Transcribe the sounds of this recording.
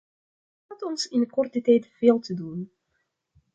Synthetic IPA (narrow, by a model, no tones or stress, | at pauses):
atɔnsɪnəkɔrtətɛjtv̥eːlˠtədun